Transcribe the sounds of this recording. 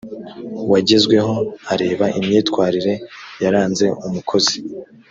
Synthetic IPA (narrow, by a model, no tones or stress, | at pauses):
waɟe̞zɡwe̞ɦo̞aɾe̞ːβaʔimɲiːtkwaːɾiɾe̞jaɾaːnze̞umukʰo̞zi̥